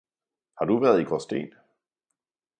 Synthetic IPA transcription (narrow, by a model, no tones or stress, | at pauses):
hɑ̈d̥uʋæɐðˠiɡ̥ʁɒsd̥ḛːn